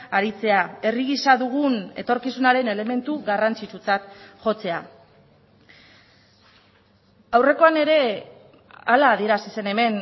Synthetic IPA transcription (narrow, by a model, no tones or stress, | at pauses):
aɾit͡se̞ae̞riɣisaðuɣ̞une̞̰t̪o̞ɾkisunaɾe̞ne̞le̞me̞nt̪uɣarant͡sit͡sut͡sat̪ʝo̞t͡se̞a | awre̞ko̞ane̞ɾe̞ | alaːðie̞ɾasise̞ne̞me̞n